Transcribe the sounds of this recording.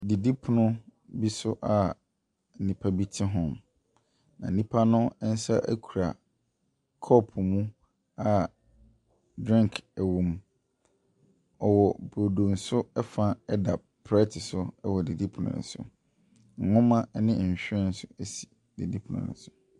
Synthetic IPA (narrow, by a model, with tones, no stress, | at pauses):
di˨di˦pʰʊ˨nʊ̃˦bi˦sʊ˦ʔa˦˨ | nĩ˨pʰa˦bi˦tʰɪ˦ɦɔ̃˦m | nã˨n̩˨nĩ˦pʰa˦nʊ̃˦n̩˦sa˦ʔæ̰˦kʰu˨ɾa̰˨ | kʰɔ˦pʰʊ˨mũ˦ | a˦˨ | dɾɪ̃˦ŋkʰæ˨wũ˨m | ɔ˨wɔ˨bo˨do˨n̩˨sʊ˦ɛ˦fã˦ɛ˦da˨ | pʰɾɛ˦tʰɪ˨sʊ˦ɛ˦wɔ˨di˨di˦pʰʊ˨nʊ̰̃˨nʊ̰̃˨sʊ̰˨ | ŋ̩˨hʊ̃˦mã˦nɪ̃˦˨ɕᶣɪ˦ɛ̃˦n̩˦sʊ˦æ˦si̥˨ | d̥i˨di˦pʰʊ˨nʊ̰̃˨nʊ̰̃˨˦sʊ̥˨